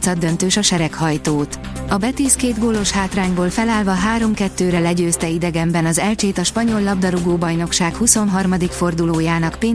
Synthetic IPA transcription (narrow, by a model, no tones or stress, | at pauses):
t̪sɒd̪ːønt̪øːʃɒʃɛɾɛkhɒjt̪oːt̪ɒbɛt̪iːskeːd̪ɡoːlo̞ʃhaːt̪raːɲboːlfɛlaːlvɒɦaːɾo̞mkɛt̪ːøːɾɛlɛɟøːst̪ɛid̪ɛɡɛmbɛnɒzɛlt͡ʃeːt̪ɒʃpɒɲo̞lːɒb̚d̪ɒɾuɡoːbɒjno̞kʃaːkhuso̞nɦɒrmɒd̪ikfo̞rd̪uloːjaːnɒkpeː